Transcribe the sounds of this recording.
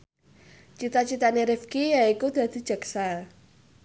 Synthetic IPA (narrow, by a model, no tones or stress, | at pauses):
t͡ʃit̪at͡ʃit̪aneɾifkijaikud̪̥a̤d̪̥i̤̥d͡ʒ̥əksa